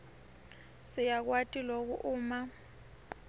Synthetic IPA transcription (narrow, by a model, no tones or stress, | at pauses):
sijak̬watʼilok̬uʔuːma